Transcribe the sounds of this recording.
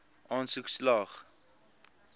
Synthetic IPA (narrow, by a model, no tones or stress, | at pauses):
ʔɑːnsukslɑχ